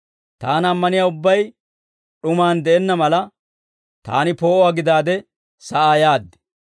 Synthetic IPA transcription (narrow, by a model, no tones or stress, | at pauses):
t̪aːnɐmːɐnɪjaːʊbːɐj | ɗʊmaːnd̪ɛʔɛnːɐmɐlɐ | t̪a̰ːnɪpo̞ːʔɔwaːɡɪd̪aːd̪ɛ | sɐʔaːjaːd̪ːɛ̥